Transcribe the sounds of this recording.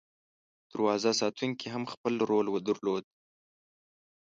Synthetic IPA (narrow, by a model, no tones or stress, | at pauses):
d̪̥əɾwɑzasɑt̪ʰuŋkeɦamxpəlɾolwəd̪əɾlod̪̚